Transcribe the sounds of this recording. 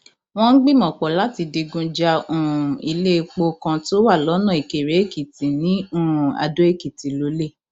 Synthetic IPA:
w̃ɔ̃˦n̩˦ɡ͡bĩ˦˨mɔ̃˨k͡pɔ˨la˨˦ti˧di˧ɡũ˧d͡ʒa˧ũ˦˨i˧le˦˧k͡po˧kã˧to˦wa˦˨lɔ˨˦nã˦˨i˨ke˨ɾe˨˦e˦˨ki˨tĩ˨nĩ˨˦ũ˦˨a̰˨˧do˦e˦˨ki˨ti˨lo˦le˦˨

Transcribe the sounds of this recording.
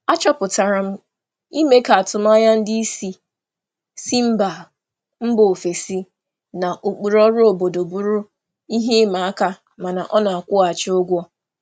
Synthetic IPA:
a˦t͡ʃɔ˦pʊ˨ta˨ɾa˨m̩˦ | i˦me˦ka˨a˨tʊ˨m˦a˦ja˦n̩˦di˦i˦si˦ | si˦m̩˦ba˨ | m̩˦bo˨fe˨si˦ | na˨ʔo˨k͡pu˨ɾɔ˦ɾʊ˦o˨bo˨do˨bu˦ɾu˦ | i˦ɦe˦ma˨a˦ka˦ | ma˨na˨ʔɔ˦na˨a˨kʷʊ˦a˨t͡ʃɪ˦o˦ɡʷɔ˦

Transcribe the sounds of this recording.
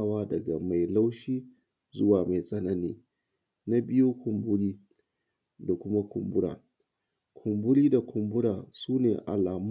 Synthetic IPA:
waː˦dɐ˨ɡa̰˨ma˨jla˦wʃiː˦ | zʊ˦waː˨ma˨jsʼɐ˦nɐ˦nḭː˦ | na˦bɪ˦joː˦kʰʊ˨mbʊ˦ɽiː˦ | da˨kʷʊ˦ma˦kʷʰʊ˨mbʊ˦ɽa̰ː˨ | kʰʊ˨mbʊ˦ɽiː˦da˨kʷʊ˨mbʊ˦ɽa̰ː˨suː˦nḛː˨ʔa̰˨laː˨m˦

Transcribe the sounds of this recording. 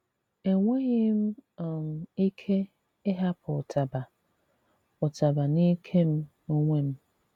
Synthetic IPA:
e˨ŋʷe˦ɣɪ˦m̩˦˨m̩˨i˦kʰe˦ | ɪ˦ɦa˦pʰʊ˨tʰa˨ba˨ | ʊ˨ta˨ba˨ni˦kʰe˦m̩˦ | o˦ŋʷe˦m̩˦

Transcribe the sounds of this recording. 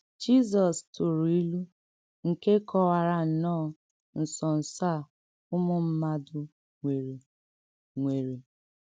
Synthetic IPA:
d͡ʒi˦zɔ˨stʊ˨ɾu˨i˦lu˦ | ŋ̩˨ke˦kʰɔ˨wa˨ɾa˨n̩˨nɔː˦˨ | n̩˨sɔ˨n̩˨sa˦˨ | ʊ˦mʊ˦m̩˦ma˦dʊ˨ | ŋʷe˨ɾe˨ | ŋʷe˨ɾe˨

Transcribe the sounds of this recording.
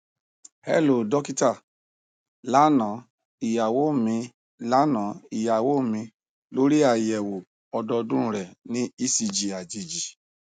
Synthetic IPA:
hɛ̰˦˨lo˨dɔ˦ki˦ta˦˨ | la˨˦nã˨˦ | i˨ja˨wo˨˦˨mĩ˧ | la˨˦nã˨˦i˨ja˨wo˨˦˨mĩ˧ | lo˦ɾi˦a˨jɛ˨wo˨ | ɔ˧dɔ˧dũ˦ɾ̃ũ˦ɾɛ˨nĩ˦i˦si˧d͡ʒi˨a˨d͡ʒi˨d͡ʒi˨

